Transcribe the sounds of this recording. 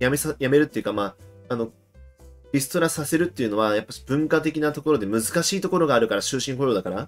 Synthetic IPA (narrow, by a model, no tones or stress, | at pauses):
jamesajame̞ɾɯ̟t̪ːe̞jɯ̟kamaːno̞ | isɨ̥t̪o̞ɾasase̞ɾɯ̟t̪ːe̞jɯ̟no̞βajapːḁɕi̥b̥ɯ̟̃ŋkat̪̬e̞kʲinat̪o̞ko̞ɾo̞d̪e̞mɯ̟zɨkaɕiːt̪o̞ko̞ɾo̞ɡaːɾɯ̟kaɾaɕɨːɕĩŋkojoːd̪akaɾa